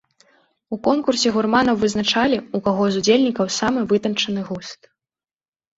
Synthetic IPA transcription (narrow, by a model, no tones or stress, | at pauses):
ukɔnkursʲɛɣurmanɐwvɨznat͡ʂalʲiukaɣɔzud͡zʲelʲnʲikɐwsamɨvɨt̪ɐnt͡ʂɐnɨɣust̪